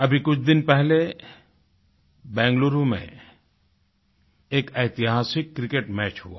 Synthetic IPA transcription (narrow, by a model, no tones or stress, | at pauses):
ɐbʱikʊt͡ʃʰd̪ɪnpɛɦle | bɛ̃ːŋɡloːɾũmḛ̃ | eːkeːt̪ɪɦaːsɪkːɾɪkeːʈmɛːt͡ʃɦṵa̰ː